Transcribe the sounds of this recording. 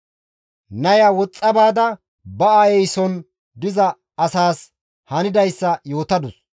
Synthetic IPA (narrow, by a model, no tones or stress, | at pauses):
nɐjɐwɔt͡sʼːɐbaːd̪ɐ | bɐɐjɛjsɔn | d̪ɪzɐ | ɐsaːs | hɐnɪd̪ɐjsːɐjo̞ːt̪ɐd̪ʊs